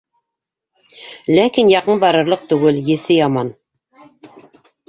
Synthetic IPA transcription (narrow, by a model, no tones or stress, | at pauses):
lækinjɑqɤnbɑɾɤ̆ɾlˠɤq̚t̪ɵ̆ɡɘljɘ̆θɘjɑmɑn